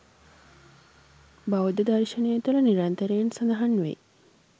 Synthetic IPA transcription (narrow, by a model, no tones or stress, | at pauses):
baʋɐd̪əd̪aɾiʃɐnejɐt̪ulɐniɾant̪ɐɾeːnsɐnɐɦɐnːʋḛ